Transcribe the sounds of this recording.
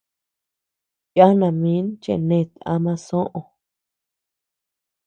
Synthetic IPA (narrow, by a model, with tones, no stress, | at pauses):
ja˦nã˨mĩ˦nt͡ʃḛ˧˨nẽ˧˨t̪a̰˧mã˧sõ˦ʔõ˧˨